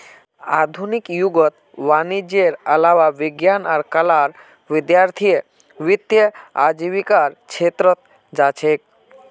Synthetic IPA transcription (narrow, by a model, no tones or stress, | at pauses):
a̰ːd̪ʱunikjuɡɔt̪ | ʋanid͡ʒeɾəlaʋaʋɪɡjanaɾkəlaɾ | ʋɪd̪jaːɾt̪ʰijə | ʋɪt̪jəa̰d͡ʒiʋikaɾt͡ʃʰeːt̪ɾɔt̪̚ | d͡ʒaːt͡ʃʰek̚